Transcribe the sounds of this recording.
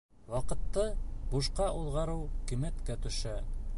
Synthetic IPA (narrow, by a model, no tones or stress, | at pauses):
wɑqɤ̆t̪ːɤbuʃqɑʔulˠʁɑɾɤwkimæt̪kæt̪ɵ̆ʃæ